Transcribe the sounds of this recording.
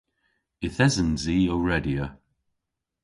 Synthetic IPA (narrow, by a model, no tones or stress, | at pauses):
ɪθɛzənziːɔɹɛdiə